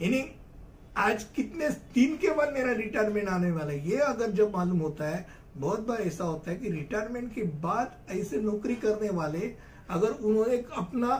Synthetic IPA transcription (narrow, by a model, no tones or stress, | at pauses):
jaːni | aːd͡ʒkɪt̪net̪iːnkebaːd̪meːɾaɾɪʈaːjɾmẽɳʈaːneʋaːlaɦɛjeɐɡəɾd͡ʒɐbmaːluːmɦoːt̪aɦɛ | bɔːt̪̚baɾɛːsaɦoːt̪aɦɛkiɾɪʈaːjɾmẽɳʈkebaːd̪ | ɛːsenɔːkɾikɐɾneʋaːle | ɐɡəɾʊnɦõːnekɐpna